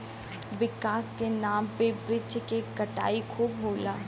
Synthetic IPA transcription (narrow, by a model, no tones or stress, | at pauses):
ʋɪkaːskenaːmpebɾɪt͡ʃkekɐʈa̰ːikʰuːbɦoːlaː